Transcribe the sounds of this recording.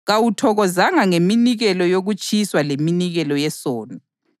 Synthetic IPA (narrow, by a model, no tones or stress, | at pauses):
ɣawutʰɔɣɔzaŋaŋeminiɣɛlɔjoɣut͡ʃʼiswaleminiɣɛlɔjɛsɔːnɔ